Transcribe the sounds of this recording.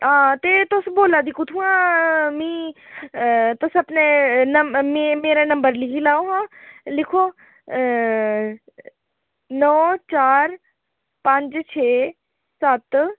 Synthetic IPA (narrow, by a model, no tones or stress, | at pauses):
ɦãːt̪eːt̪ʊsboːlaːd̪iːkʊt̪ʰũːãːmĩː | t̪ʊsəpneːnəmmẽːmeːɾeːnə̃mbəɾlɪkʰiːlaːoːɦãːlɪkʰoː | nɔːt͡ʃaːɾ | pəɲd͡ʒt͡ʃʰeː | sət̪